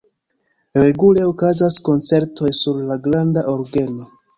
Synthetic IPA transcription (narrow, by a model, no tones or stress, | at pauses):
ɾe̞ɡule̞okazasko̞nt͡se̞ɾto̞jsuɾlaɡɾandaʔo̞ɾɡe̞no̞